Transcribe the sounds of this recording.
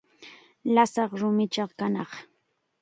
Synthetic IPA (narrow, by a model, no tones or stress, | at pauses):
lasɑχɾʊmɪt͡ʃɑqkanɑχ